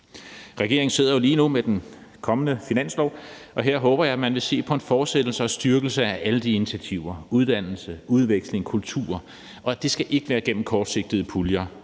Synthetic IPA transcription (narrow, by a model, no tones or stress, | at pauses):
ʁaɡ̥e̝̰ɐeŋn̩se̝ð̰ˠɐjo̝liːnumed̥enkʰɒ̽mənəfinæn̰slɒ̰ːʔɒ̽ɦeɐ̰ɦɔ̽ːb̥ɐjɑ̈æmænʋe̝se̝̰ːpʰɒ̽e̝nfɒːd̥sed̥l̩sɐɒ̽sd̥yɐɡ̥l̩səæʔæləd̥iinit͡sʰæt͡sʰiʊ̰ɐuð̞ˠd̥æn̰l̩səuð̞ˠʋeɡ̥sle̝ŋkʰult͡sʰṵːɐ | ʔɒ̽æd̥e̝sɡ̥æʔe̝ɡ̥əʋæːɐɡ̥en̰m̩kʰɒːd̥se̝ɡ̥̚d̥ðˠəpʰuljɐ